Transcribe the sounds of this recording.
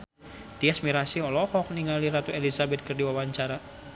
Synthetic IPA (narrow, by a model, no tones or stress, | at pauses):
t̪iasmiɾasiɔlɔhɔk̚niŋaliɾat̪uelisabɛt̪̚kərdiwawaɲt͡ʃaɾa